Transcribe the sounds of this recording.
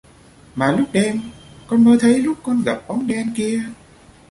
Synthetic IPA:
maː˨˩lʊ˦˥k͡p̚ɗɛ˧mkɔ˧nməː˨˧t̪ʰə˨˦jlʊ˦˥k͡p̚kːɔ˧nɣə˨˩p̚ɓɔ˨˦nɗɛ˧nki˧ə

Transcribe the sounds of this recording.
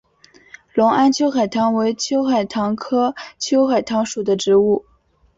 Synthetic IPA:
lʊ˧˥ŋa˥nt͡ɕʰjo˥ʊxa˨˩ɪt̪ʰɑ˧˥ŋwe˧˥ɪt͡ɕʰjo˥ʊxa˨˩ɪt̪ʰɑ˧˥ŋkʰɤ˥t͡ɕʰjo˥ʊxa˨˩ɪt̪ʰɑ˧˥ŋʂu˨˩d̪ə˦ʈ͡ʂɻ̩˧˥u˥˩

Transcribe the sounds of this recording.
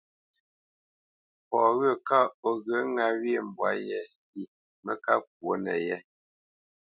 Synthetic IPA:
pɔ˨ɣə˦˨ka˦ɔ˨ɣə˨˦ŋa˦we˦˨m̩˨bwa˨˦jɛ˦ | i˨ | mə˦ka˦k̚wo˨˦nɛ̰˨jɛ˦

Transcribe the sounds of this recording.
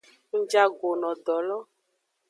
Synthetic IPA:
ŋ̩˦d͡ʒa˦ɡo˨nɔ̃˨dɔ˨lɔ˦

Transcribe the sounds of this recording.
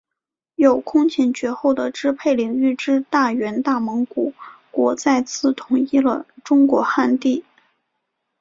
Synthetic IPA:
jo˨˩ʊkʰʊ˥ŋt͡ɕʰi˧˥nt͡ɕɥɛ˧˥xo˥˩ʊd̪ə˩ʈ͡ʂɻ̩˥pʰe˥˩ɪli˧˩ŋy˥˩ʈ͡ʂɻ̩˥t̪a˥˩ɥɛ˧˥nt̪a˥˩mɤ˧˥ŋku˨˩˦kwɔ˧˥t͡sa˥˧ɪt͡sʰɹ̩˥˩t̪ʰʊ˧˥ŋi˥lə˨ʈ͡ʂʊ˥ŋkwɔ˧˥xa˥˧nt̪i˥˩

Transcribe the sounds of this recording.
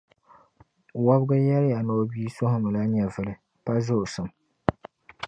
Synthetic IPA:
wa˦bɡɨ˦jɛ˦ɾɪ˦ja˨nɔ˦biː˦sʊ˦hʊ˦mɨ˨la˦ɲɛ˨vɨ˨lɨ˨ | pa˦zʊ˦ʔʊ˨sɨ˨m

